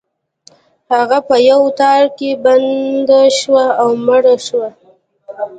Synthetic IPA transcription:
haɣapəjawt̪ɑɾkeband̪aʃwaawmaɽaʃwa

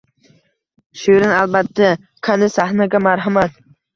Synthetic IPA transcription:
ʃuɾɪnalˠbat̪ʰːa | kʰand̪ɪsahnaɡʲamaɾɦamat̪̚

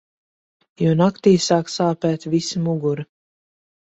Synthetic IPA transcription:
juːnakt̪iːsaːksaːpæːt̪visimuɡuɾi

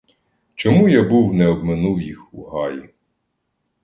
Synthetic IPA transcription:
t͡ʃɔmujabuwnɛɔbmenuwjixuɦɑji

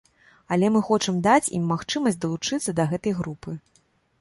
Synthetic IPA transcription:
ɐlʲɛmɨxɔt͡ʂɨmd̪at͡sʲḭmːaxt͡ʂɨmɐsʲtʲd̪ɐlˠut͡ʂɨt̪sːɐd̪ɐɣɛt̪ɐjɣɾupɨ

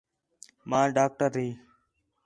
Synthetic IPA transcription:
mãːɖaːk̚ʈəɾɦiː

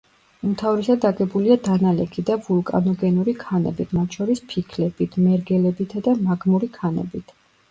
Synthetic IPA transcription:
ut̪ʰavɾisad̪aɡɛbuliad̪analɛkʰid̪avulˠkʼa̰nɔɡɛnuɾikʰanɛ̰bit̪ʰmat̪ʰʃɔɾispʰikʰlɛb̥it̪ʰmɛɾɡɛlɛbit̪ʰad̪amaɡmuɾikʰanɛ̰bit̪ʰ

